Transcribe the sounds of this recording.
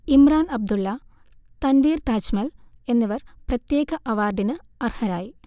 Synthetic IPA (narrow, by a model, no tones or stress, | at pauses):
imraːnɐb̚d̪ulːɐ | t̪ɐnʋiːrt̪aːt͡ɕmɐle̞nːɐʋɐrprɐt̪jeːɣɐʔɐʋaːrɖ̪inɨ | ɐrhɐɾaːji